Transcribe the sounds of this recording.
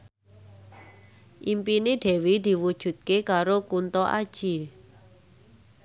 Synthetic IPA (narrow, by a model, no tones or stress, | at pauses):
ʔimpineɖ̪̥ɛ̤wid̪̥i̤wud̥ʒ̥ṳt̪̚kekaɾokunt̪ɔʔa̰d̥ʒ̥i